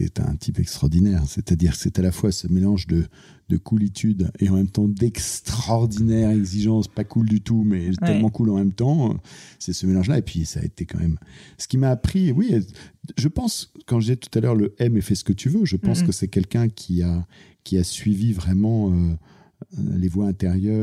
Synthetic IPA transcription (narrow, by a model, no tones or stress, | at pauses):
sɛ̰t̪ɛ̰̃t̪ʰipɛkst̪χɔʁd̪inɛʁset̪ad̪iʁsɛt̪alafwasəmelɑ̃ʒd̪ə | d̪əkʰulit̪ʰyd̪eɑ̃mɛmt̪ɑ̃d̪ɛkst̪χɔʁd̪inɛʁɛɡziʒɑ̃spakʰuld̪yt̪umɛt̪ɛlmɑ̃kulɑ̃mɛmt̪ɑ̃sɛsəmelɑ̃ʒlaepɥisa̰ːḛt̪ekɑ̃mɛ̰msə̥kʲimaːpχiwiʒəpɑ̃skɑ̃ʒəd̪izɛt̪u̥t̪alœʁləɛmefɛsə̥kət̪ʰyvøʒəpɑ̃skəsɛkʲɛlkʲɛ̃kʲʰia | kʲiasɥivivʁɛmɑ̃ø | levwaɛ̃t̪eʁjœ